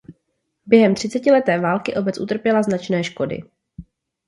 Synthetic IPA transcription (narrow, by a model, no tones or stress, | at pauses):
bjɛɦɛmt̪r̝̥ɪt͡sɛcɪlɛt̪ɛːvaːlkɪʔo̞bɛt͡sʔṵt̪r̩pjɛlaznat͡ʃnɛːʃko̞dɪ̰